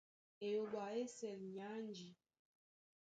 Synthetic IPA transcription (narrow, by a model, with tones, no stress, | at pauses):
e˨jo˨ɓa˨e˦sɛ˨lɲa˨˦n˦d͡ʒi˨